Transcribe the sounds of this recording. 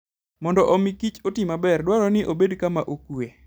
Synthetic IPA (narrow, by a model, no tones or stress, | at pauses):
mɔndɔʔɔmikit͡ʃotimabɛrdwaɾɔnɪʔobedkamaʔokwe